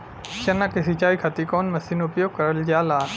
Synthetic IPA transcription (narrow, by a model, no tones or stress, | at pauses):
ʃɐnakesit͡ʃaːikʰɐt̪ikoːnmɐsinʊpjoːɡ̚kɐɾəld͡ʒaːlaː